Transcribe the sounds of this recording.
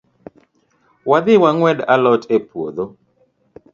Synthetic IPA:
wad̪ɪwaŋwɛdalɔtepwod̪o

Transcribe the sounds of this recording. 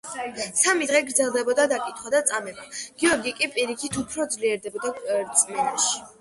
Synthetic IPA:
samid̪ʁɛɡɾd̪zɛlˠd̪ɛbɔd̪ad̪akʼit̪ʰχwad̪at̪sʼamɛbaɡ̥iɔɾɡikʼipʼiɾikʰit̪ʰupʰɾɔd̪zliɛɾd̪ɛbɔd̪aɾt̪sʼmɛnaʃi̥

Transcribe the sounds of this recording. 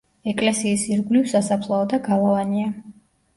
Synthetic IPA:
ɛkʼlɛsiːsiɾɡlivsasapʰlˠaɔd̪aɡalˠɔvania

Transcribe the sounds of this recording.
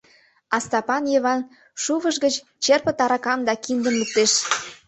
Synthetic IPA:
ɑst̪ɑpɑnjeβɑn | ʃuβəʃɡət͡ɕ | t͡ɕerpə̆t̪ɑɾɑkɑmd̪ɑkind̪ə̆mlək̚t̪eʃ

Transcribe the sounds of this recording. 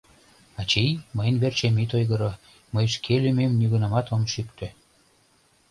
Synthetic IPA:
ɑt͡ɕijməjnβert͡ɕemit̪ojɣəɾo | məjʃkʰelymemnyɣunɑmɑt̪omʃykt̪ʰø

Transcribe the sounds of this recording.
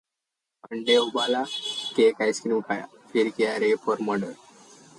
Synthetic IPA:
əɳɖeubalakekajskɾimkʰaja̰ | fiɾkeaɾepəɾməɽə

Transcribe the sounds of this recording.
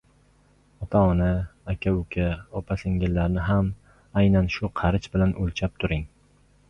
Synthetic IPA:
ɒt̪ʰaɒnaakʲʰaʊkʲʰaɒpʰasɪŋɡʲɪlːaɾnɪɦam | ajnanʃʊqʰɑɾɪt͡ʃbɪlanʔolt͡ʃʰap̚t̪ʰʊɾɪŋ

